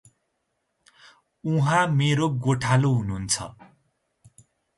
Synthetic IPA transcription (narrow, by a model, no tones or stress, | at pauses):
uɦãmeɾoɡoʈʰaloɦununt͡sʰʌ̰